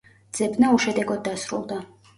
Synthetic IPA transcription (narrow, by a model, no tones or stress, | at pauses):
dd̪z̥ɛbnauʃɛd̪ɛɡɔd̪̚ːasɾṵlˠd̪a